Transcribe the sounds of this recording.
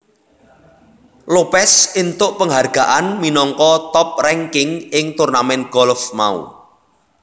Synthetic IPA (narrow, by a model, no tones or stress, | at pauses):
lopɛsint̪ʊʔpəŋɦarɡ̥a̤ʔanminɔŋkɔt̪ɔp̚rɛŋkɪŋɪŋt̪urnamɛn̚ɡ̥ɔlfma̰ṵ